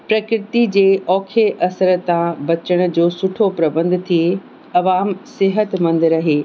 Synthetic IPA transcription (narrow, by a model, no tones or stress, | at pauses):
pɾɐkɾɪt̪id͡ʑeːʔɔːkʰeʔɐsəɾ̆t̪ãbɐt͡ɕəɽ̃̆d͡ʑoːsʊʈʰopɾɐbə̃nd̪t̪ʰie | ɐʋaːmsɪɦət̪mɐ̃nd̪ɪɾɐɦeː